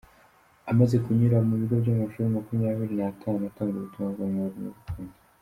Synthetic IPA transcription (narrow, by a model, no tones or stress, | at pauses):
amaze̞kuɲiɾamuβiɡobɟamaʃuɾemakumujaβiɾinatʰaːnunuataːŋɡeβutuβaŋzamaɾimṵβutuːnde